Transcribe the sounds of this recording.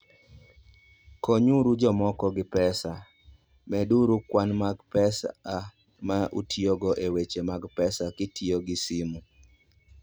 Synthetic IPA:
koɲuɾud͡ʒɔmɔkɔɡɪpɛsa | mɛduɾukwanmaɡpɛsa | maʔṵtʰioɡɔʔewet͡ʃemaɡpɛsakɪtʰioɡɪsimu

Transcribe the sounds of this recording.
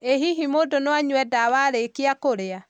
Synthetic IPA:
eɦiɦimodonwaɲuwɛdawaɾekiakoɾea

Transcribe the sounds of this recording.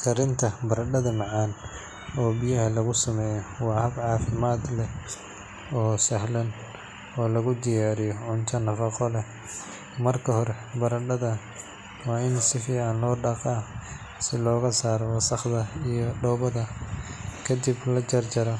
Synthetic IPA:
kʰɐɾɪnt̪ʰɐbɐɾɐɖɐðɐmɑʕaːn | ɔːbijɐɦɐlɐɣʊsɐmɛːjɔwɑːhɐbʕɑːfɪmaːd̪lɛ | ɔːsɐhlɐn | ɔːlɐɣʊd̪ɪjaːɾɪjɔʕʊnt̪ʰɐnɐfɐqɔlɛ | mɐrkʰɐhɔɾɛ | bɐɾɐɖɐðɐ | wɑːɪnsɪfiːʕɑnlɔːɖɑqɐ | sɪlɔːɣɐsaːɾɔwɐsɐχd̪ɐijɔɖɔwbɐðɐ | kʰɐd̪iblɐt͡ʃɐrt͡ʃɐɾɐ

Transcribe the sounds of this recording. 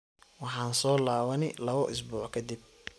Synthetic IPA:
wɑħɑːnsɔːlaːwɐnɪlɐβɔʔʊs̬buːħkʰɐd̪ib̚

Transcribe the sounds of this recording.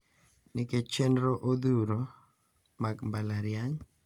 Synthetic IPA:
nɪket͡ʃendɾoʔod̪uɾo | maɡmbalaɾjaɲ

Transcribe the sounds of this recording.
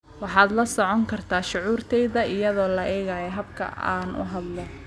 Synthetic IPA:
wɑħɑːd̪lɐsɔʕɔŋkʰɐrt̪ʰaːʃʊʕuːrt̪ʰɛjðɐɪjɐðɔːlɐʔɛːɣaːjɛɦɐbkʰɐ̰a̰ːnʊ̰ɦɐd̪lɔ

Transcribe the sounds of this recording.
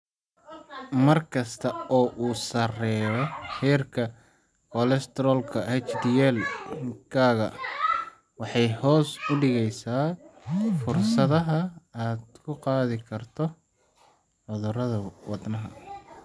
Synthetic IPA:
mɐrkʰɐst̪ʰɐɔːʔuːsɐrɛːɾɔhɛːrkʰɐ | kʰɔlɛst̪ʰɾɔlkʰɐhɛt͡ʃd̪ɪjɛlkʰaːɣɐ̰ | wɑħɑjhɔːsʊɖɪɣɛjsaː | fʊrsɐðɐɦɐaːd̪kʰʊqɑːðɪkʰɐrt̪ʰɔ | ħɔðɔɾɐðɐwɑd̪nɐɦɐ̰

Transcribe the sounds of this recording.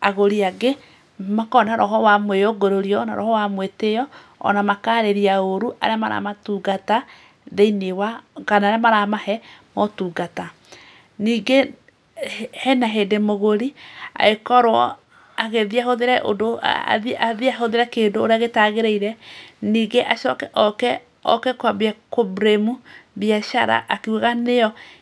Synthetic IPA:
aɣoɾiaɡe | makɔnaɾʔɔɦɔwamwejoɡoɾoɾiɔna̰ɾɔ̰hɔwamwetejɔ | ɔ̰namakaɾeɾiaoɾuʔa̰ɾeama̰ɾa̰matuɡata | ðeinewakanaɾamaɾamahɛmɔtuːɡata | niːɡe | hɛnaɦedemoɣoɾia̰ekɔɾwɔ | aɣeðiaɦoðeɾɛʔo̰do̰ðaðiaɦoðeɾɛkeːndoːɾeaɣetaɣeɾeiɾɛniːɡeʔaʃɔkɛʔɔkɛ | ɔ̰kɛkwaβjakobɾemuβjaʃaɾa̰ʔakeuɣaneɔ

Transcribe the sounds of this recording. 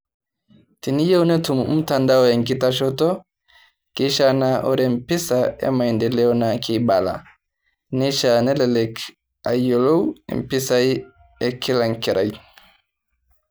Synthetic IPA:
tinijɛwnɛtumm̩tandaɔjɛŋkitaʃɔtɔ | kiʃanaʔɔɾɛm̩pisaɛ̰maɛndɛlɛɔnakʰibala̰ | nɛʃanɛlɛlɛk | ajjɔlow̰m̩pisai | ɛkilaŋkiɾʔaj

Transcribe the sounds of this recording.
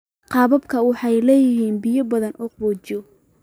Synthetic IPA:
qɑːβɐbkʰɐwɑħɑjlɛːjɪɦiːnbɪjɔbɐðɐnʔɔːqbɔːt͡ʃɔ

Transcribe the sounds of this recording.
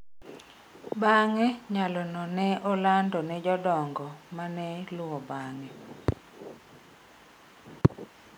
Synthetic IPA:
baŋɛɲalɔnɔnɛʔɔlandɔnɛd͡ʒɔdɔŋɡɔmanɛlʊɔbaŋɛ

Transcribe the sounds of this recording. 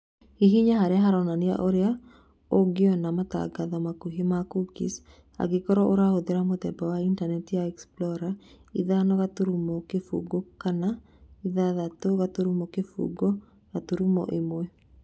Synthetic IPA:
hiɦiɲaɦaɾeaɦaɾɔnanea̰ʔoɾea | oɡeɔnamata̰ɡaðɔmakuɦimakukḭs | a̰ɡekɔɾɔʔoɾahoðeɾamotɛbawaintanɛtjaɛksplɔɾa | iðanɔɣatoɾumɔkefṵɡokana | iðaðatoɣatoɾumɔkefṵɡɔ | ɣatoɾumɔ̰ʔemwɛ

